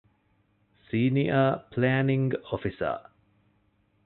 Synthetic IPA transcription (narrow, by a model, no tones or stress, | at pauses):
siːniəpʰlænĩŋɡɔfisə̰